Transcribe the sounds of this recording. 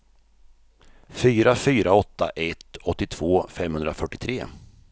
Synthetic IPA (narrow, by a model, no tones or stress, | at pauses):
fyːɾafyːɾaɔt̪ːa̰ʔɛt̪ɔt̪ːɪt̪ʰv̥oːfɛmhɵnd̪ɾafœʈːɪt̪ʰɾeː